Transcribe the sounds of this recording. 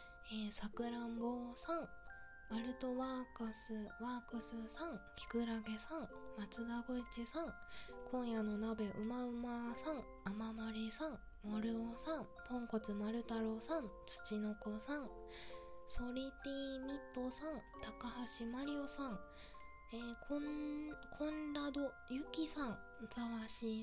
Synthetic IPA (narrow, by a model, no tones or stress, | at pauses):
eːsakɯ̟ɾãmboːsãŋ | maɾɯ̟t̪o̞βakɯsɨβaːkɯsɨsãŋkʲʰi̥kɯ̟ɾaɡe̞sãŋmat͡sɨd̪aɡo̞it͡ɕisãŋkʰõ̞ɰ̃jano̞nabe̞ʔɯ̟maɯ̟masãŋ | amamaɾʲisãŋ | moɾɯ̟osãm | põ̞ŋko̞t͡sɨmaɾɯ̟t̪aɾo̞sãŋt͡sɨ̥t͡ɕino̞kosãŋ | so̞ɾʲit̪ʲiːmʲit̪ːo̞sãŋt̪akahaɕimaɾʲio̞sãŋ | eːkʰokʰõ̞nɾad̪o̞ | jɯ̟kʲisãŋ | d͡zaβaɕi